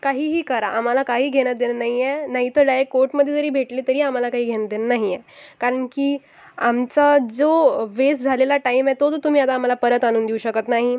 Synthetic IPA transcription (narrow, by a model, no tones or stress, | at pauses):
kaɦiːɦiːkəɾaʔam̤alakaɦiːɡʱeɽ̃ət̪̚d̪enənaɦijɛnaɦit̪əɾɖajəkːoɾʈməd̪ʱːjed͡zəɾiːbʱeʈliːt̪əɾiːam̤alakaɦiːɡʱenət̪̚d̪enənaɦijɛ | kaɾəɳkiː | amt͡sad͡zoʋesd͡zʱalelaʈaimɛt̪ot̪ot̪um̤iːat̪̬aːm̤alapəɾət̪añuːnd̪iuɕəkət̪naɦi